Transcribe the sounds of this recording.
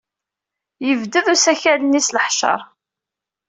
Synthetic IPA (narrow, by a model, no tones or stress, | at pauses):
jəvd̪əðusæçælənisləħʃɑ̰ɾˤ